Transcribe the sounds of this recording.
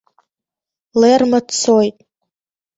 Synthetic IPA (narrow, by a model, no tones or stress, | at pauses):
lermat͡sʰojtʼ